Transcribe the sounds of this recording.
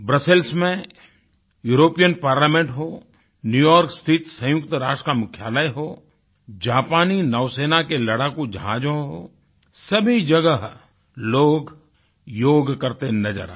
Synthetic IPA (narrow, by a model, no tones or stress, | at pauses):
bɾɐselsmẽ | juːɾoːpijənpaːɾlaːmẽɳʈɦoː | njuːjɔːɾkst̪ʰɪt̪sə̃jʊkt̪ɾaːʃʈəkamʊkʰjaːləjɦoː | d͡ʒaːpaːninɔːʋseːnakelɐɽakud͡ʒãːd͡ʒõɦo̰ː | sɐbʱid͡ʒɐɡəɦ | loːɡ | joːɡkɐɾt̪enɐd͡ʒə̰ɾa